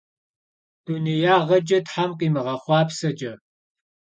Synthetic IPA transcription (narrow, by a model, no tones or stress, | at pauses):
d̥unijaːʁɐd͡ʒɐtħamqʼiːmɨʁɐχʷɑːpsɐd͡ʒʼɐ